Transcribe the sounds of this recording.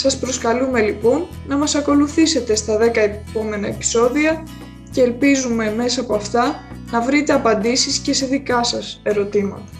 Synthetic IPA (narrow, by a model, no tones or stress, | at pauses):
sɐspɾo̞skɐlume̞lipo̞nːɐmɐsɐko̞luθise̞t̪e̞st̪ɐðe̞kɐepo̞me̞nɐe̞pi̥so̞ðiɐ | ce̞ːlpizume̞me̞sɐːpoɐft̪ɐnɐvɾit̪e̞ɐpɐnd̪isisce̞se̞ðikɐsɐse̞ɾo̞t̪imɐ̰t̪ɐ